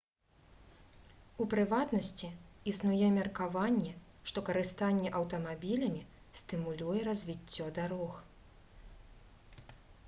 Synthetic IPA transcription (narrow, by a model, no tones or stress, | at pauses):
upɾɨvat̪nɐsʲt͡sʲiisnujɛmʲɐrkavanʲːɛ | ʂt̪ɔkɐɾɨst̪anʲːɛʔɐwt̪ɐmabʲilʲɐmʲi | st̪ɨmulʲujɛɾɐzʲvʲit͡sʲːɔd̪aɾɔx